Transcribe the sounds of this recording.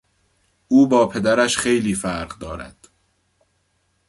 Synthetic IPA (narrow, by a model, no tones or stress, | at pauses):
ʔuːbɒːpʰe̞d̪æɾæʃxe̞jliːfæɾɢd̪ɒːɾæ̰d̪̥